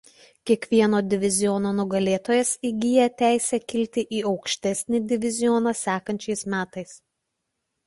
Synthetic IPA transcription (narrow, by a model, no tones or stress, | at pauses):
kʲiɛkʋʲiɛnoːd̪ʲɪʋʲɪzʲɪjɔnoːnʊɡɐlʲeːt̪oːjɛsiɡʲiːjɛt̪ʲæˑɪsʲɛkʲɪlʲt̪ʲɪʔiːɒʊkʃʲt̪ʲɛsʲnʲɪd̪ʲɪʋʲɪzʲɪjɔnɐsʲæːkɐnʲt͡ʃʲɛɪsmʲæːt̪ɐɪs